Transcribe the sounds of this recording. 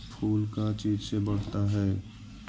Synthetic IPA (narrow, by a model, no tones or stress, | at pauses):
pʰuːlkat͡ʃiːd͡ʒsebɐɽ̤t̪aɦɛː